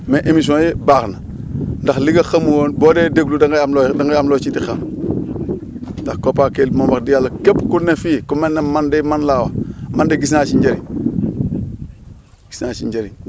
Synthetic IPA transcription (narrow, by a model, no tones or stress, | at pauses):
meʔemis̬õjibaːxna | ndaxliɡɐxamuwoːnboːdedeɡludŋɡmldaŋɡjamlot͡ʃitixam | ndaxkopaːkelmombakdiɡalːakepkunːefiːkumenːemandemanlaːwamandeɡis̬nat͡ʃiɲd͡ʒeɾḭ | ɡi̥snaːt͡ʃiɲd͡ʒeɾi